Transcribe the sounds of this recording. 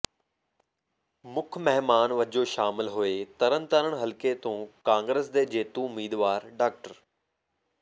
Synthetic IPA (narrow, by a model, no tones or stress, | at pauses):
mʊkʰmɛɦmaːnʋɐd͡ʑoʃaːmɪlɦʊeːt̪ɐɾənt̪əɾəɽ̃ɦɐlket̪õːkãːŋɡɾesd̪eːd͡ʑeːt̪ũʊmiːd̪ʋaːɾɖaːk̚ʈəɾ